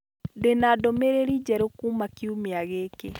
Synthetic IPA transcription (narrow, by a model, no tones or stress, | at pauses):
denadomeɾeɾid͡ʒɛɾokuːmakiumeaɣeke